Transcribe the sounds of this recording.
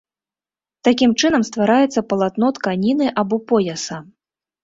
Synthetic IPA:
t̪akʲimt͡ʂɨnɐmst̪vaɾajɛt̪sːɐpɐlˠat̪nɔt̪kanʲinɨʔabɔpɔjɐsɐ

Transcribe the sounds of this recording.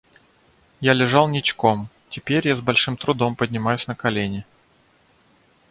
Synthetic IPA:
jalʲɪʐɑlˠnʲɪt͡ɕko̞m | tʲɪpʲeɾʲjazbɐlʲʂɨmt̪ɾʊd̪o̞mpədʲnʲɪmajʊsʲnəkɐlʲenʲɪ

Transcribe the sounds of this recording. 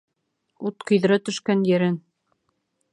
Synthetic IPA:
ut̪qɤ̆jðɘ̆ɾæt̪ɵ̆ʃkænjɘ̆ɾɘn

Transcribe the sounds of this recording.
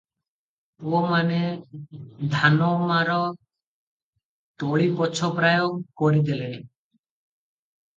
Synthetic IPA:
omane | d̪ʱanɔmaɾɔ | t̪oɭibɔt͡ʃʰɔpɾajoŋkoɾid̪ilen

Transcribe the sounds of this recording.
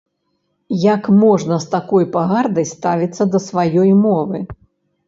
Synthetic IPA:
jakmɔʐnɐst̪akɔjpaɣard̪ɐjst̪avʲit̪sːɐd̪ɐsvajɔjmɔvɨ

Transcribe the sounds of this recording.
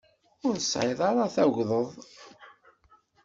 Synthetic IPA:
ʊɾəsʕeðˤɑɾaθæʝðˤəðˤ

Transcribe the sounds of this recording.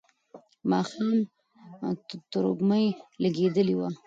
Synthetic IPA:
mɑxɑm | t̪ʊɾo̰ɡməjlaɡed̪əliwa

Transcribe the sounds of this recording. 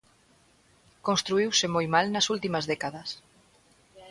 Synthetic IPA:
konst̪ɾuiwsɪmojmalnɐsult̪imɐzðɛkaðɐs

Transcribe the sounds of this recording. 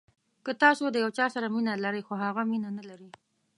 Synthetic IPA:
kət̪ɑsod̪əjawt͡ʃɑsaɾaminalaɾəjxoɦaɣaminanalaɾi

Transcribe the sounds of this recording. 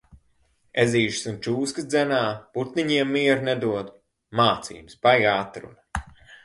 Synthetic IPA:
eziːʃɨ̥sunt͡ʃuːskɨsd̪zɛnaːput̪niɲiɛmːiɛɾnɛd̪uɔd̪ | maːt̪sḭːmsbajaːt̪ɾṵnɐ

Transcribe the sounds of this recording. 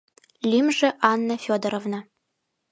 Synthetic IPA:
lʲimʒɘ̆ʔɑnːɤ̆fʲod̪ɤ̆ɾovnɤ̆

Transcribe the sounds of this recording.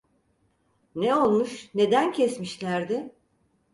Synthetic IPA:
neo̞lˠmuʃne̞d̪æncʰɛsmiʃlʲæɾd̪ɪ

